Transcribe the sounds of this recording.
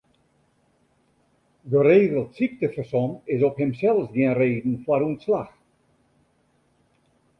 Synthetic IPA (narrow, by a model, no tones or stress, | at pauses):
dəɾeːdəlˠtsik̚təfəsɔnɪsɔphɪmsɛlˠsdiənreːdn̩fwaɾunslax